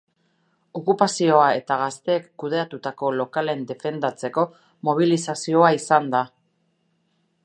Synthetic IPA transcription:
o̞kupasio̞ae̞t̪aɣ̞ast̪e̞ːkːuð̞e̞at̪ut̪ako̞lo̞kale̞nd̪e̞fe̞nd̪at͡se̞ko̞ | mo̞β̞ilisasio̞aisand̪a

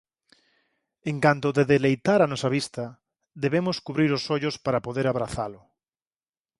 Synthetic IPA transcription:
eŋkant̪oðeðelejt̪aɾanɔsaβ̞ist̪a | ðeβemoskuβɾiɾosoʎospaɾapoðeɾaβɾaθalʊ

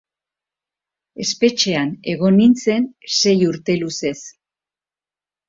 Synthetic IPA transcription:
e̞spe̞t͡ʃe̞ane̞ɣ̞o̞nint͡se̞nse̞juɾt̪e̞luse̞s

